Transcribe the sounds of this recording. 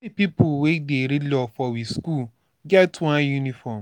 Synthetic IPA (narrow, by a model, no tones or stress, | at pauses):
ipipuwedeɾilɔfɔwiskul | ɡɛtwãnjunifɔm